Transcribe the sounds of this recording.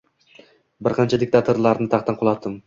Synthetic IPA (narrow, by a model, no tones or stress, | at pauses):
bɪɾqʰɑnt͡ʃʰad̪ɪk̚t̪ʰat̪ʰoɾlˠaɾnɪt̪ʰaχt̪anqʰolˠɑt̪ːɪm